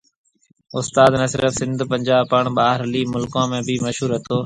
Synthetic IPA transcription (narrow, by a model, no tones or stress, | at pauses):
ʊst̪aːd̪nəsɪɾəfsɪ̃nd̪ʱpə̃ɲd͡ʒaːbpəɳ̃ɓaːɦɾliːmʊlkãːmẽːbʱiməʃɦuːɾɦɐt̪oː